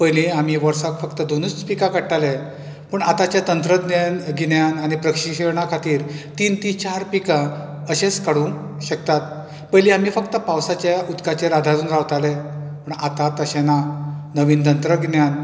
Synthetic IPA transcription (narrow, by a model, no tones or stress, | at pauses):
pəjliam̤iʋəɾsakfəkt̪əd̪onuːt͡spikakəɽʈale | pəɳat̪at͡ɕjat̪ənt̪ɾəd̪njanɡinjanañipɾəkɕiɕeɾɳakʰat̪iːɾt̪iːnt̪it͡ɕaɾpika | əɕeskaɽũ | ɕək̚t̪at̪̚ | pəjliam̤iːfəkt̪əpawsat͡ɕjaud̪kat͡ɕeɾad̪ʱat̪uːnɾaʋt̪alepəɳat̪at̪əɕenanəʋiːnt̪ənt̪ɾəɡinjan